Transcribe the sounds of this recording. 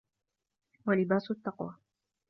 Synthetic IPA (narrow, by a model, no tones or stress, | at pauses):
walɪbaːsʊt̪ːɑqwa